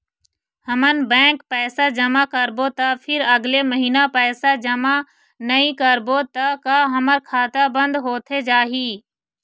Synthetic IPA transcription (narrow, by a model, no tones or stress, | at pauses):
həmənbɛ̃ːkpɛːsad͡ʒəmakəɾbot̪ɐpʰɪɾəɡleməɦiːnapɛːsad͡ʒəma | nəɦĩkəɾbot̪ɐkaɦəməɾkʰaːt̪abə̃nd̪ɦoːt̪ʰed͡ʒaːɦiː